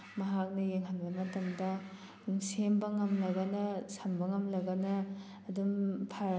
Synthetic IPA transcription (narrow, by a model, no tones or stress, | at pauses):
mɐɦak̚nɐjeŋɦanbɐmɐtɐmdɐ | msembɐŋɐmlɐɡɐnɐsɐmbɐŋɐmlɐɡɐnɐː | dumpʰaɾ